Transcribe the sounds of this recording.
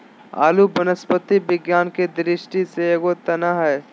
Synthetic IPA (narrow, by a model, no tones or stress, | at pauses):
a̰ːlubənəspət̪ibɪɡjaːnked̪ɾɪʃʈiseeɡot̪ɐnaɦɦɛː